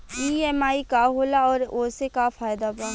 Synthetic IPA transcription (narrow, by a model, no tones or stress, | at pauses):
iːɛmaːikaɦoːlaɔːɾoːsekafaːjd̪abãː